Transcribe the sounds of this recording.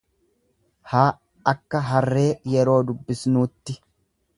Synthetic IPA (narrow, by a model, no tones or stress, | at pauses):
haː | ɐkːɐɦɐrːe̞ːjɛɾo̞ːd̪ʊbːɪsnuːt̪ːɪ